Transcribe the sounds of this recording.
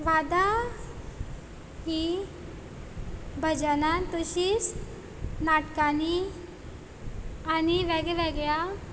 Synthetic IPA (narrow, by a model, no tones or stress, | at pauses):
ʋad̪a | ɦi | bʱəd͡ʑanant̪uɕis | naʈkani | aniʋɛɡɛʋɛɡja